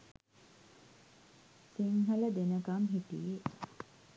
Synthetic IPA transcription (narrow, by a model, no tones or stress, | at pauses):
siŋɦələd̪enəkamɦiʈḭje